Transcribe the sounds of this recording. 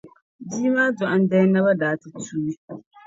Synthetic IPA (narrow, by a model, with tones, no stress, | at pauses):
diː˦maː˦d͡ʒɔ˨ʔa˦n˦dɛ˦na˦ba˦daː˨ti˨tuː˦i˦